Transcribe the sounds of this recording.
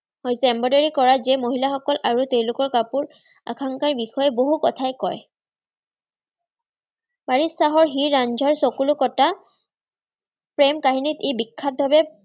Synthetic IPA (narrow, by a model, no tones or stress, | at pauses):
hɔjsɛmbɔdaɹikɔɹazɛmoɦilaxɔkɔlʔaɹutewlʊkɔɹkapuɹ | a̰kʰaŋkaɹbixɔjɛboɦukɔtʰajkɔj | baɹisaɦɔɹɦiɹːand͡ʒʱɔɹsokulʊkɔta | pɹɛmkaɦinitejbikʰːat̚bʱabɛ